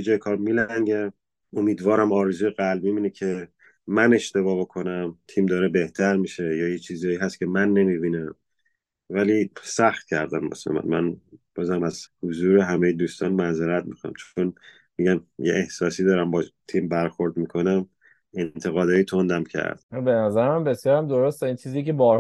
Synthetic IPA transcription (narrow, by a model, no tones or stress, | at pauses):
bed͡ʒɒːjekʰɒːɾmilæŋɟe | omiːd̪vɒːɾæmɒːɾezuːjeɣælbmibiːnecʰe | mæne̞ʃt̪e̞βɒːbo̞kʰo̞næmt̪ʰiːmd̪ɒːɾebe̞ht̪ʰæɾmiʃejɒːjet͡ʃʰiːzɒːjiːɦæst̪cʰʲe̞mænːe̞mibiːnæm | væliːsæxt̪̚cʰæɾd̪ænbo̰sæ̰mæ̰nmænb̥ɒːzæmæz̥hozuːɾeɦæmejed̪uːst̪ɒːnmænzeɾæt̪̚mḭxonæ̰mt͡ʃʰon | miɟænjḛʔehsɒːsiːd̪ɒːɾæmbɒt̪ʰiːmbæɾxo̞ɾd̪miːkʰo̞næm | e̞nt̪ʰe̞ɣɒːd̪ɒːjit̪ʰo̞nd̪æmcʰæ̰ɾd̪̥̚benæzæɾmæmbe̞sjɒːɾæmd̪oɾost̪eint͡ʃʰizijecebɒːɾ